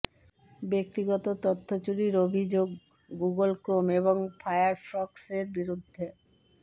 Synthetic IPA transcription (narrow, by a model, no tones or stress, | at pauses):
bek̚t̪iɡɔt̪ot̪ot̪ʰːot͡ɕuɾiɾobʱid͡ʑoɡ | ɡuɡolkɾomeβoŋfajaɾfɾɔkseɾbiɾud̪ʱːe